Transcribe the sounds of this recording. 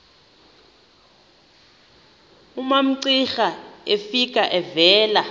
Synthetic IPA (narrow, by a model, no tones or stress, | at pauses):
umam̩ǀixaefikʼaʔɛvɛːla